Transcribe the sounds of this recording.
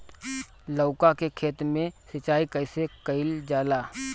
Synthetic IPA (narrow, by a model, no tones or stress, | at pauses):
ləʊkakekʰeːt̪ɾmẽsət͡ʃːaːikəɪsekəɪld͡ʒaːlaː